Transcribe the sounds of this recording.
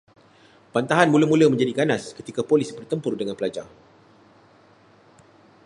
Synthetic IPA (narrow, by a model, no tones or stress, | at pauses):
pant̪aɦanmũləmũləmə̃ɲd͡ʒadiɡanaskət̪ikapolisibərt̪əmpʊrdəŋãnpəlad͡ʒa̰r